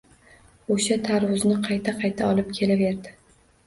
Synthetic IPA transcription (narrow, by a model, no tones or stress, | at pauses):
oʃat̪ʰaɾwʊznɪqʰɑjt̪ʰaqʰɑjt̪ʰaɒlɪp̚kʲʰe̞lave̞ɾd̪ɪ